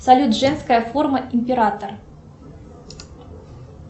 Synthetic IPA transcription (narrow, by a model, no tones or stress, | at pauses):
sɐlʲut̪ʐɛnskɐjəforməʔimʲpʲeɾat̪ər